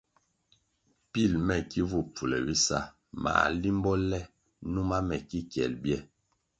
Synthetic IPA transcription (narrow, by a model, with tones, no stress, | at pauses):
pi˦˨lmɛ˦˨ki˦vu˦˨p͡fu˨lɛ̰˨bi˦sa˦˨ | ma̰˨li˦m˦bɔ˦lɛ˦˨ | nu˦ma˦mɛ˨ki˦kjɛ̰˨lbjɛ˦˨